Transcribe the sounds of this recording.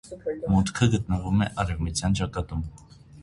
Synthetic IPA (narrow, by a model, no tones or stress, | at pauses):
mut̪kʰəɡət̪nəvumɛʔɑɾɛvmut͡sʰjɑnt͡ʃɑkɑt̪um